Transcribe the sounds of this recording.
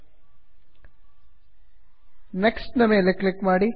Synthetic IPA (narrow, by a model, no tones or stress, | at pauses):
neksʈnɐmeːlːeklɪkmaːɽi